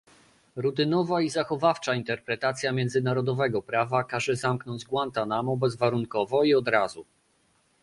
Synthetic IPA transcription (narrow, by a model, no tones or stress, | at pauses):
ɾut̪̬ɘnɔvaizaxɔvaft͡ʂaint̪ɛɾpɾɛt̪at̪sʲjamʲjɛ̃nd̪zɘnaɾɔd̪ɔvɛɡɔpɾavakaʐɛzamknɔɲd͡ʑɡwant̪anamɔbɛzvaɾuŋkɔvɔiɔd̪ɾazu